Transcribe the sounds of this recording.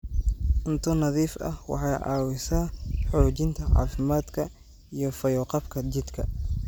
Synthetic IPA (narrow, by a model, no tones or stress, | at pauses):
ʔʊnt̪ʰʊnɐðiːfɐ̰hwɑ̰ħɑːjʔɑ̰ːwɪsaːħɔːt͡ʃɪnt̪ʰɐʕɑ̰ːfɪmaːd̪kʰɐ | ijɞfɐjɔːqɑbkʰɐt͡ʃɪd̪kʰɐ̰